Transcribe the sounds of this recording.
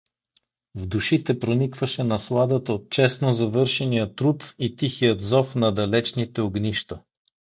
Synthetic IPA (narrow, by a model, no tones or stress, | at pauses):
vd̪uʃit̪ɛpɾonikvəʃɛnɐslˠad̪ət̪əot̪̚t͡ʃɛst̪nozɐvɤɾʃɛnijət̪ɾut̪it̪ixijət̪zɔfnɐd̪ɐlɛt͡ʃnit̪ɛoɡniʃt̪ə